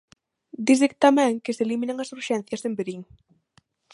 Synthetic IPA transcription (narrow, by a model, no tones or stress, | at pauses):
d̪izðik̚t̪amɛ̃ŋkɪseliminaŋɐsuɾʃɛn̟θjɐsembeɾiŋ